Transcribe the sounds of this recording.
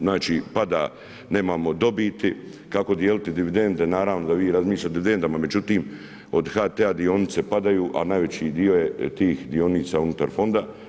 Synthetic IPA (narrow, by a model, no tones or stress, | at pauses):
znaːt͡ʃiːpad̪aː | ne̞ːmaːmo̞d̪o̞biːt̪i | kako̞d̪jeːlit̪id̪iʋid̪e̞nd̪e̞naːɾaːʋno̞d̪aʋiːɾazmiːʃʎat̪iʋid̪e̞nd̪amame̞d͡ʒut̪iːm | o̞d̪hat̪ead̪io̞nit̪se̞pad̪ajuːʔa̰najʋe̞t͡ɕiːd̪io̞jet̪iːxd̪io̞niːt̪saːunut̪aɾfo̞nd̪a